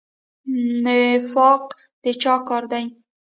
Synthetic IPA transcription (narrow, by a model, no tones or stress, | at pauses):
nɪfɑq | d̪̥et͡ʃɑkɑɾd̪aj